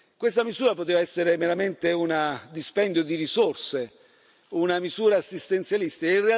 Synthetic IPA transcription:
kwest̪amizuːɾapot̪eːvaɛsːeɾemeɾament̪eunad̪ispɛnd̪jod̪iɾisorse | unamizuːɾaːsːist̪ent̪sjalist̪iinrea

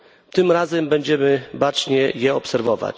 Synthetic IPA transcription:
t̪ɘmɾazɛmbɛɲd͡ʑɛmɘbat͡ʂɲɛjɛɔpsɛɾvɔva̰t͡ɕ

